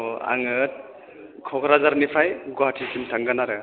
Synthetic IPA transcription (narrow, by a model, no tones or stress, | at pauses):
a̰ŋɯt̚ | kʰɔkʰɾazaɾnipʰajɡɔɦatʰisimtʰaŋɡanaɾɯ